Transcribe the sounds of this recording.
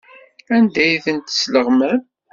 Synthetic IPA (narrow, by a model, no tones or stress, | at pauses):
ænd̪æjθənt̪sləʁmæm